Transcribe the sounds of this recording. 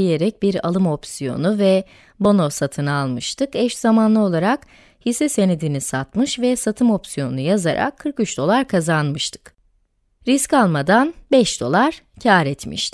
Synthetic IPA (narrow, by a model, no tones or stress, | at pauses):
ijeɾɛc̚biɾa̰lˠɯmo̞psijo̞̰nuvɛ | bo̞nosat̪ʰɯnaalˠmɯʃt̪ʰɯkɛʃz̥amanlˠɯo̞lˠaɾak | hisɛse̞ned̪inisat̪mɯʃvɛsat̪ʰɯmo̞psijo̞nunujaza̰ɾʔa̰kʰːɯɾkyt͡ʃd̪o̞lˠaɾkʰazanmɯʃt̪ʰɯ̥k | ɾiscalˠmad̪anbɛʃd̪o̞̰lˠaɾ̥ | cʰaːɾɛt̪mḭʃt̪i̥